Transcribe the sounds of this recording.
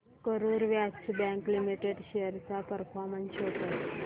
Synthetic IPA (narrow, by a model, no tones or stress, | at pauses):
kəɾuɾʋjat͡ɕbɛ̃ŋklimiʈeɖʃeəɾsapəɾfʰɔɾmənsɦot̪a